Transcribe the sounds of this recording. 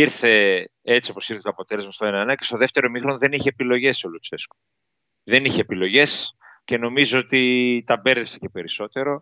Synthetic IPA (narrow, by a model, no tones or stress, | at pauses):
iɾθe̞ | et͡sio̞po̞siɾθet̪oɐpo̞t̪e̞le̞zmɐst̪oenɐnɐce̞st̪o̞ðe̞ft̪e̞ɾo̞mixɾonðe̞niçeepilo̞ʝe̞solust̪u̥sesku̥ | ðe̞niçeːpilo̞ʝe̞s | ce̞no̞mizoot̪it̪ɐbe̞ɾðepsece̞pe̞ɾiso̞t̪e̞ɾo̞